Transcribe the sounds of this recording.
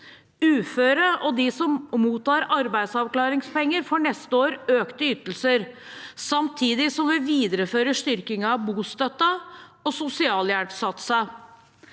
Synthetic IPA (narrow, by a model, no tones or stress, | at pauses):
ʉːføːɾəʔɔd̪ɪsɔmmuːt̪ːɑːɾɑɾbæɪd̪sɑʋklɑːɾɪŋspɛŋːəɾfɔɳɛst̪əoːɾøːkt̪əʏt̪ːəl̩səɾ | sɑmt̪ʰiːd̪ɪsɔmʋɪʋiːd̪əɾəføːɾəʂt̪ʏɾkɪŋɑbuːst̪œt̪ːəɔsʊsɪɑːljæɽpsɑt̪sə